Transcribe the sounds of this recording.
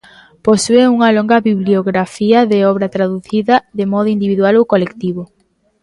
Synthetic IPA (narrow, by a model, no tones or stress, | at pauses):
posueuŋɐloŋɡɐβiβlioɣɾafiɐðeɔβɾɐt̪ɾaðuθiðɐðemɔðʊind̪iβiðwalowkolekt̪iβo